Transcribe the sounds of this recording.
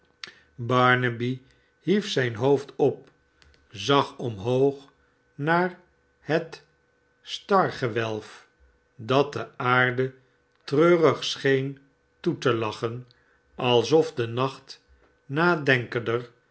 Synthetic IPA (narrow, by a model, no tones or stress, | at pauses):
bɑɹnəbi | ɦifsɛjnɦowftɔp̚ | zɑχɔmɦowχ | naːɹ | hət | stɑɹχəʋɛlˠf | dɑt̚dəaːɹdə | trøːrəχsχejn | tutəlɑχən | ɑlˠzɔvdənɑχt | naːdɛŋkəndər